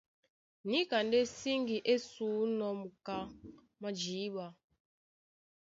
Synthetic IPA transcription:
ni˦ka˨nde˦si˦ŋɡi˨ʔe˦suː˨˦nɔ˨mu˨ka˦ | ma˦d͡ʒiː˨˦ɓa˨

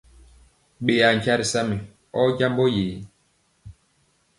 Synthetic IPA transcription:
ɓe˨a˨ŋ˨ka˦ɾi˨sa˦mi˨ | ɔ˦ɟa˦mbɔ˦jeː˨

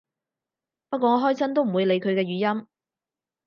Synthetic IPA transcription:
pɐ˥t̚kʷɔː˧ŋɔː˨˥ɦɔː˥jsɐ˥nt̪o˥wm̩˨˩wuː˨˧jle˨˧jkʰɵ˨˧ɥkɛː˧ɥyː˨˥jɐ˥m

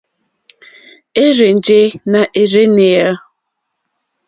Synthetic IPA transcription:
e˦ɾe˨n̩˨d͡ʒe˦na˨ʔe˨ɾe˦ne˨ja˦

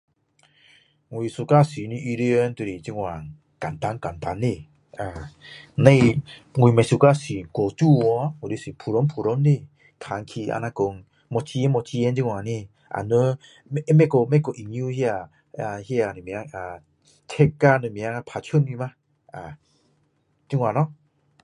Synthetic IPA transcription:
ŋu˨i˨su˧ka˦si˨ni˧˦ʔi˧ɾi˧ə˧˦nt̪u˧ɾi˨t͡ɕi˦˧ŋwa˨ŋ | ka˨nt̪a˧˦ŋka˨nt̪a˨˧ni˧˨ | a˨ne˧jŋu˨i˨ma˨˧˨su˨˧ka˧si˨kɔ˨t͡ʃu˦˨wɔ˧˦o˨ɾi˧˦si˨pʰu˨ɾɔ˧˦npʰu˨ɾɔ˧˦nːi˧˨ | t̪ʰa˨ŋkʰi˧a̰˧na˧ko˧˨ŋ | mɔ˧t͡ɕi˧e˦nmɔ˧t͡ɕi˧e˧˦nd͡ʒi˦˧ŋwa˨ni˧ | ʔa̰˨nɯ˧˦ | mɛ˦kɔ˧˨mɛ˦kɔ˨˧ʔi˨ŋju˦hi˦a˧˨˧ | hi˦a˧˨nɯ˨mi˨˧a˧ŋa˨ | tʰɛ˦kːa˧nɯ˧˨mi˧a˦ŋa˧pʰa˨˧t͡ʃʰɯ˦ni˧ma˦ | a˨ | t͡ʃi˦ŋwa˨nɔ˦

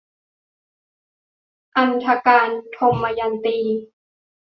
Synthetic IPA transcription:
ʔa˧nt̪ʰa˧kaː˧nt̪ʰo˧mːa˧ja˧nt̪iː˧

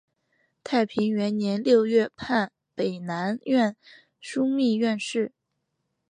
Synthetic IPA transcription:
t̪ʰa˥˩ɪpʰi˧˥ŋɥɛ˧˥nnjɛ˧˥nljo˥˧ʊɥɛ˥˧pʰa˥˩n | pe˨˩ɪna˧˥nɥɛ˥˧n | ʂu˥mi˥˧ɥɛ˥˧nʂɻ̩˥˩

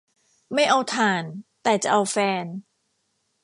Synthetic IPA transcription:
ma˥˩jʔa˧wt̪ʰaː˨˩nt̪ɛː˨˩t͡ɕa˨˩ʔa˧wfɛː˧n

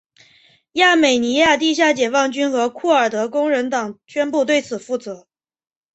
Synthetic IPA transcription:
ja˥˩me˨˩ɪni˧˥ja˥˧t̪i˥˧ɕ̬ja˥˩t͡ɕjɛ˨˩fɑ˥˩ŋt͡ɕy˥nxɤ˧˥kʰu˥˩ə˞˨˩t̪ɤ˧˥kʊ˥ŋɻə˧˥nt̪ɑ˨˩ŋt͡ɕʰɥɛ˥npu˥˧t̪we˥˩ɪt͡sʰɹ̩˨˩fu˥˩t͡sɤ˧˥

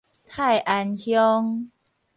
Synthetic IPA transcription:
t̪ʰa˥˨jʔa˧nhjɔ˦ŋ

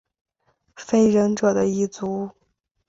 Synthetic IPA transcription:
fe˥˩ɪɻə˧˥nʈ͡ʂɤ˨˩d̪ə˦i˥˩t͡su˧˥

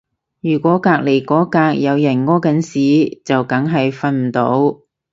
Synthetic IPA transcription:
jyː˨˩kʷɔː˨˥kaː˧k̚le˨˩jkɔː˨˥kaː˧k̚jɐ˨˧wjɐ˨˩nŋɔː˥kɐ˨˥nsiː˨˥t͡sɐ˨wkɐ˨˥ŋɦɐ˨jfɐ˧nm̩˨˩t̪o̰˨˥w

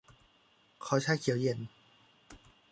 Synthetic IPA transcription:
kʰɔː˨˦t͡ɕʰaː˥jkʰi˨˦wje˨˩˦n

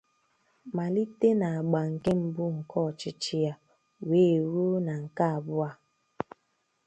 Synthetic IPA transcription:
ma˨li˦te˦na˨a˨ɡ͡ba˨ŋ̩˨ke˦m̩˦bʊ˦ŋ̩˨kʰɔ˦˨t͡ʃɪ˦t͡ʃɪ˦ja˦ | weː˦˨ɾu˦na˨ŋ̩˨ka˦a˨bʊ˦a˨

